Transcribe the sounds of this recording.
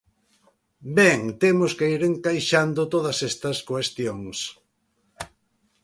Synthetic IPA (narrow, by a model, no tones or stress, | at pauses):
bɛŋt̪emoskeiɾeŋkajʃand̪ʊt̪oð̞ɐsest̪ɐskwest̪joŋs